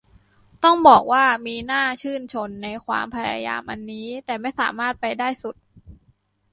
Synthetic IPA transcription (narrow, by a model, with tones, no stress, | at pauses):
t̪ɔ˥˩ŋbɔː˨˩k̚waː˥˩miː˧naː˥˩t͡ɕʰɯː˥˩nt͡ɕʰo˧nːa˧jkʰwa̰ː˧mpʰa˧ja̰˧ja̰ː˧mʔa˧nːiː˦˥t̪ɛː˨˩ma˥˩jsa̰ː˩˦maː˥˩t̪̚pa˧jdaː˥˩jsu˨˩t̪̚